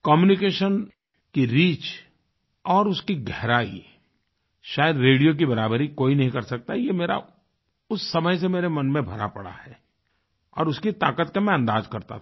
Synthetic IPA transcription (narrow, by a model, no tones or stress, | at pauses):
kɔːmjunɪkeːʃən | kiɾiːt͡ʃ | ɔːɾʊskiɡɛɦɾaːḭ | ʃaːjəd̪ɾeːɖijok̬ibɐɾaːbəɾikoːinɐɦĩkɐɾsɐk̚t̪ajemeːɾa̰ | ʊsːɐməjs̬emeːɾemɐnmẽbʱɐɾa̰pɐ̰ɽa̰ɦɛː | ɔ̰ːɾʊskit̪aːkət̪kemɛ̃ɐ̃nd̪aːzkɐɾt̪a̰